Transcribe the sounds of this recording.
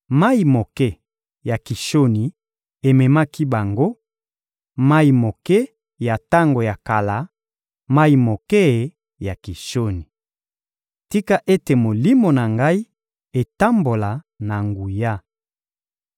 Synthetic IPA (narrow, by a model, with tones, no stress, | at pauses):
ma˦i˨mo˨kɛ˦ | ja˨ki˨ʃo˦ni˨ | e˨mɛ˨ma˦ki˦ba˨ŋɡo˦ | ma˦i˨mo˨kɛ˦ | ja˨ta˦ŋɡo˨ja˨ka˨la˨ | ma˦i˨mo˨kɛ˦˨ | ja˨ki˨ʃo˦ni˨ | ti˦ka˦ʔe˦te˨mo˨li˦mo˨na˨ŋɡa˦i˦ | e˨ta˦mbo˨la˨ | na˨ŋɡu˨ja˦